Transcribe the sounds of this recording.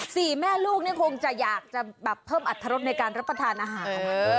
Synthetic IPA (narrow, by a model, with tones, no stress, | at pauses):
siː˨˩mɛː˥˩luː˥˩k̚niː˥˩kʰo˧ŋt͡ɕa˨˩jaː˨˩k̚t͡ɕa˨˩bɛː˨˩pʰːɤː˥˩mʔa˨˩t̪ʰːa˧ɾo˦˥t̪̚na˧jkaː˧nɾa˦˥pːɾa˧t̪ʰaː˧nʔaː˧˩ɦaː˩˦˧